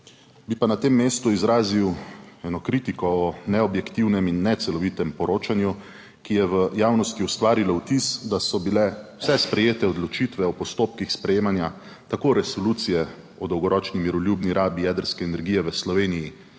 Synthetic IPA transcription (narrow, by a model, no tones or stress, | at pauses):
bipanat̪eːmːeːst̪uizɾaːziwɛnɔkɾit̪ikɔːnɛɔbjɛkt̪iwnɛminːɛt̪sɛlɔʋit̪ɛmpɔɾoːt͡ʃanju | kijɛʋəjaːwnɔst̪iust̪ʋaːɾilawt̪isd̪asɔbilɛwsɛspɾɛjeːt̪ɛɔd̪lɔt͡ʃit̪ʋɛɔpɔst̪oːp̚kixspɾɛjeːmanja | t̪akoɾɛsɔlut̪sijɛ | ɔd̪ɔwɡɔɾɔːt͡ʃnimiɾɔljuːbniɾʔaːbijɛːd̪əɾskɛːnɛɾɡiːjɛʋəslɔʋeːniji